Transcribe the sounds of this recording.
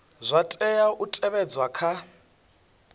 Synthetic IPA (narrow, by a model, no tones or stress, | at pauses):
zʷatʼɛjaʔutʼɛβɛd͡zwakʰa